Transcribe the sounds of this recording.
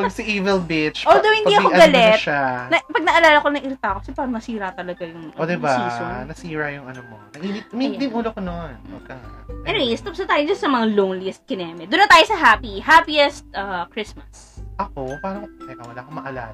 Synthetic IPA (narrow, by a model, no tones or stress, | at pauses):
pɐɡsɐʔiːvɛlbɪt͡ʃʔod̪owhɪniːɐkoɐɡɐlɛt̪ʃanɐpɐɡ̚nɐʔɐlaːlɐkonɐŋʔɪɾt̪akokɐsɛpaːɾɐnɐsiːɾɐt̪ɐlɐɡajʊŋʔod̪ɛbaiːsonɐsiːɹɐjʊŋɐnomo̰nɐʔibɪt̪̚mid̪ɪmʔuːlokonono̰kɐŋʔɛnɪwejst̪obsɐt̪aːjod͡ʒɐsɐmɐŋalownliɛst̪̚kɪnɛːmɛd̪ʊnːɐt̪aːjosɐɦapihaːpiɛst̪̚ʔakɹɪsmɐs | ʔɐkopaːnoktɛkɐwɐlaːkomɐʔɐla̰ːla